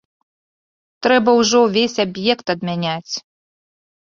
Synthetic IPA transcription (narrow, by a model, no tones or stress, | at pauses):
t̪ɾɛbɐwʐɔvʲesʲabjɛkt̪ɐd̪mʲanʲat͡sʲ